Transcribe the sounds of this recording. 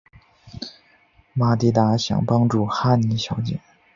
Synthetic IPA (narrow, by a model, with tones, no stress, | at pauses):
ma˧˩t̪i˧˥t̪a˧˥ɕjɑ̰˨˩ŋpɑ˥ŋʈ͡ʂu˥˩xa˥˩ni˧˥ɕjɑ˧˥ʊt͡ɕḭ˧˨˩ŋ